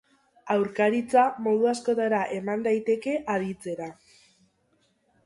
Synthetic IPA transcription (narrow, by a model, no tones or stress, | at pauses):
awɾkaɾit͡samo̞ð̞uasko̞t̪aɾaʔe̞mand̪ajt̪e̞ke̞ʔaðit͡se̞ɾa